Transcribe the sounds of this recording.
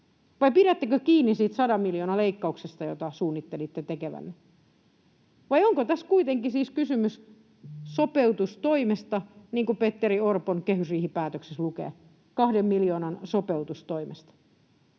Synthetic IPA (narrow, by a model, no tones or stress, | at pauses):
ʋɑipiɾæt̪ːekøkiːnːisiːt̪sɑdɑmiljoːnɑleikːɑuksest̪ɑjot̪ɑsuːnːit̪ːelit̪ːet̪ekeʋæ̰nːe | ʋɑjoŋkot̪æskuit̪eŋkisiːskysymys | sopeut̪ust̪oimest̪ɑniːŋkupet̪ːeriorponkehysriːhipæːt̪økseslukḛː | kɑhdemːiljoːnɑnsopeut̪ust̪oimest̪ɑ̥